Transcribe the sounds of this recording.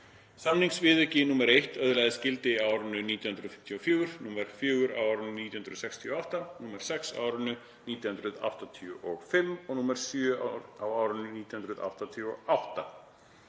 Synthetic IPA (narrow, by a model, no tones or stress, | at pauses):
samniŋksvɪːðʏcɪnuːmɛɾejht̪œðlajðɪscɪlt̪ɪaːwɾʏnʏniːt̪jhʏnɾʏðfɪ̥m̥t̪ʰjɔfjuːɾ̥nuːmɛɾ̥fjʏːɣʏɾa̰waːwɾʏnʏniːt̪jhʏnɾʏðsɛkst̪ʰiɔawht̪anuːmɛɾ̥sɛksa̰ːwɾʏnʏ | niːt̪jhʏnd̪ɾʏða̰wht̪at̪ʰiʏʔɔɣfɪmːɔɣnuːmɛɾ̥sjʏːa̰ɾawaːwɾʏnʏniːt̪jhʏnɾʏða̰wht̪at̪ʰiɔ̰awht̪a